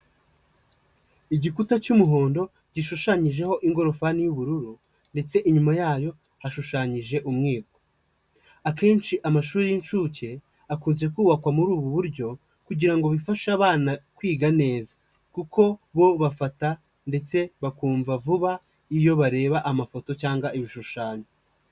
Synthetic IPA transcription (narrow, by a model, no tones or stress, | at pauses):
iɟikutat͡ʃumuɦo̞ːndo̞ | ɟ̥iʃuʃaɲiʒe̞ho̞ʔiŋɡo̞ɾo̞fanijuβuɾuɾu | nde̞t͡se̞ʔiɲumajaːjo̞ | haʃuʃaɲiʒe̞ʔumŋiːɡo̥ | ake̞ːnt͡ʃiʔamaʃuːɾijint͡ʃuce̞ | akuːnze̞kuːβakwamuɾuːβuβuɾɟo̞ | kuɟiɾaŋɡo̞βifaʃaβaːnakwiːɡane̞ːza | kuko̞βo̞βafata | nde̞t͡se̞βakuːɱvavuβa | ijo̞βaɾe̞ːβaʔamafo̞to̞caːŋɡaʔiβiʃuʃaːɲo